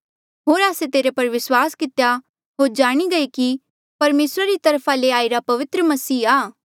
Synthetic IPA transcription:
ɦoːɾaːset̪eːɾepɐɾʋɪswaːskɪt̪ja | ɦoːɾd͡ʒaːɽ̃iɡɐeki | pɐɾmeːsɾaɾit̪ɐɾpʰaleaːiɾapɐʋɪt̪ɾəmɐsiːaː

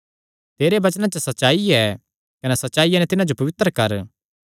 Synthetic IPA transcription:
t̪eːɾebɐt͡ʃnãt͡ʃɐsɐtːʃaːiɛ | kɐnɛsɐtːʃaːijanɛ̃t̪ɪnãd͡ʒopɐʋɪt̪ːɾəkɐɾ

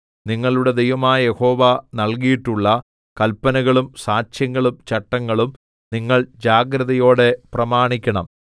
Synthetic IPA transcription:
niŋːɐɭuɽe̞d̪ejʋɐmaːjɐje̞ho̞ːʋɐnɐlkijiʈːuɭːɐ | kɐlpːɐnɐɣɐɭumsaːt͡ɕjɐŋːɐɭumt͡ɕɐʈːɐŋːɐɭum | niŋːɐɭd͡ʑaːɡɾɐðɐjo̞ːɽe̞prɐmaːɳikʲːɐɳɐ̰m

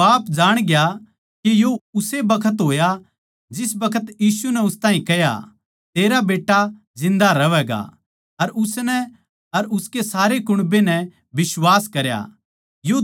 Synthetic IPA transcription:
aːpd͡ʒaːɽ̃ɡja | kijoʊsebɐkʰət̪ɦoːja | d͡ʒɪs̬bɐkʰət̪jiːsunɛʊst̪aːɦĩkɛja̰ | t̪eːɾabeːʈːa | zɪ̃nd̪aɾɐʋɛːɡa̰ | ɐɾʊsnɛ | ɐɾʊskesaːɾekʊɽ̃benɛ | bɪswaːskɐɾja̰ | jo

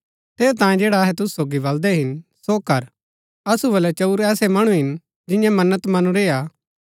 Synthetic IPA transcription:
t̪ʰeːɾt̪ãːẽd͡ʒeːɽaɐɦɛt̪̬ʊsu̥soːɡibɐld̪ɛɦɪnsoːkɐɾ | ɐsubɐlɛt͡ʃɐuɾɛːsɛmɐɽ̃ũɦɪn | d͡ʒɪ̃jãmɐnːət̪mɐnũɾeːaː

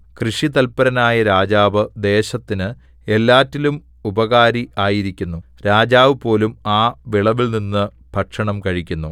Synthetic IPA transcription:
krɨʂit̪ɐlpɐɾɐnaːjɐɾaːd͡ʑaːʋɨd̪e̞ːɕɐt̪ːinɨ | e̞lːaːtːilum | ubɐɣaːɾiʔaːjiɾikʲːunːu | ɾaːd͡ʑaːʋɨpo̞ːlumaːʋiɭɐʋilninːɨ | bʱɐʈʂɐɳɐmkɐɻikʲːunːu

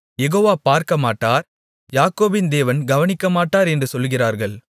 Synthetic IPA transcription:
jɛɣoːʋaːpaːɾkɐmaːʈːaːɾ | jaːkoːbɪnd̪eːʋɐnɡɐʋɐnɪkːɐmaːʈːaːɾɛndrɯsɔlɣɪraːɾɣɐɭ

